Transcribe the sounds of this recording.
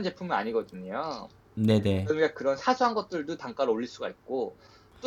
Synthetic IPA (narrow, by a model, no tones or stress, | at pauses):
nd͡ʑe̞pʰuŋmʌna̰ɲiɡʌdɯɲjo | ne̞ne̞ʌkakɯɾʌnsʰasʰuɦanɡʌt̚t͈ɯɭdotaŋk͈aɾoɭːiɭs͈uɡait̚k͈o | t͈o